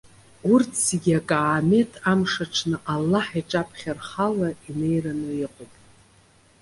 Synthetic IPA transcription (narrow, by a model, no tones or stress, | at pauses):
urtʰsiɡʲakʼaːme̞tʰʼamʂaʈ͡ʂʰnɨʔalːaħiʈ͡ʂʼapʰχʲarχalaine̞jranɨiqʷʼʊpʼ